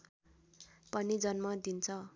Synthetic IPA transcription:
pʌnid͡zʌnmʌd̪int͡sʰʌ

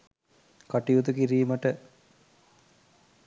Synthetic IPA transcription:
kaʈiut̪ukiɾiːməʈə

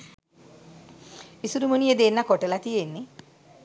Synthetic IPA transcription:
isuɾumunijed̪eːnːakoʈəlat̪ijenːe

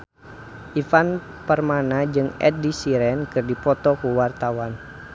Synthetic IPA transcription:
ʔifan | pərmanad͡ʒɨŋɛ̰t̪̚disiɾɛnkɨrdipɔt̪ɔkuwart̪awan

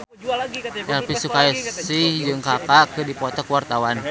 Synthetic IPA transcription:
ʔɛlpisukajɛsihd͡ʒɨŋkakakɨrdipɔt̪ɔkuwart̪awan

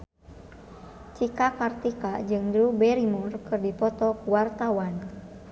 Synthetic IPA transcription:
t͡ʃikakart̪ikad͡ʒɨŋdɾubɛɾimɔrkɨrdipɔt̪ɔkuwart̪awan

